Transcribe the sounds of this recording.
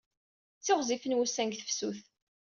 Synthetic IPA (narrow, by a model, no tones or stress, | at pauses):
t͡sːɪʁzifənwusæŋɡθə̥fsuθ